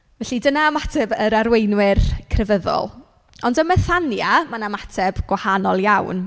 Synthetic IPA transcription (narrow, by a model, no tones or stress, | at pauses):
vɛɬidənaːmatʰɛbəɾaɾwejnwɪrkʰrɛvəðɔ̰lˠ | ɔndəməθanjamanamatʰɛb̥ɡ̥wahanɔlˠjawn